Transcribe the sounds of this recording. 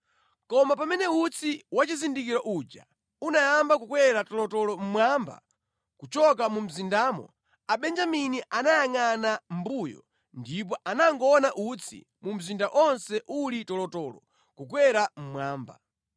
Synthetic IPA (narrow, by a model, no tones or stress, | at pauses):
kɔmapamɛnɛut͡sʰiwat͡ʃizindik̬iɾɔʔud͡ʒa̰ | unajambak̬ukwɛɾatɔlɔtɔlɔm̩mwaːmba̰ | kut͡ʃɔkamum̩zindaːmɔ̰ | aɓɛnd͡ʒaminiʔanajaŋanambujɔ̰ | ndip̬ɔʔanaŋɡɔːnaʔut͡sʰḭ | mum̩zindaʔɔnsɛʔulitɔlɔtɔːlɔ̰ | kuk̬wɛɾam̩mwaːmba̰